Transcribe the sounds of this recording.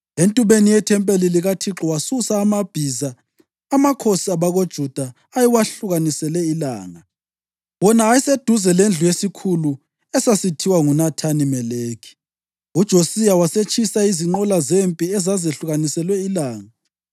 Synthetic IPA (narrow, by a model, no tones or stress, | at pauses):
entʼuβenijɛtʰɛmpʼeliliɣatʰiǁɔwasusaːmab̥ʱizaː | makʰosiaβaɣod̥ʒ̥ʱud̥ʱaː | jiwaɬuɣanisɛlɛila̰ːŋa | wɔnaːjised̥ʱuzɛlend͡ɮʱujesikʰulu | ɛsasitʰiwaŋunatʰanimɛleːkʰi̥ | ud̥ʒ̥ʱosijawaset͡ʃʼisaiziŋ͡ǃɔlazempʼiɛzazeɬuɣanisɛlwɛilaːŋa